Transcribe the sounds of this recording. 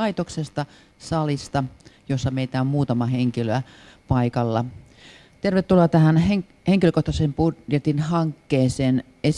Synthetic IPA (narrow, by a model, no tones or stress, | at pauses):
ɑit̪oksest̪ɑ | sɑlist̪ɑjosːɑmeit̪æommuːt̪ɑmɑheŋkiløæ | pɑikɑlːɑ | t̪erʋet̪ːuloɑt̪æhæne | heŋkiløkoht̪ɑsempudjet̪inhɑŋkːeːseːn | es